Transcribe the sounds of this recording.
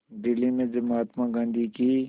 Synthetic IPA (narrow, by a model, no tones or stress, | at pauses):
d̪ɪlːimẽd͡ʒɐmaːt̪maɡãːnd̪ʱiki